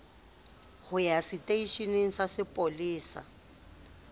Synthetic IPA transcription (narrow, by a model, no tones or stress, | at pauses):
hʊjasɪtʼeiʃineŋ̩sasɪpʼoliːsa̰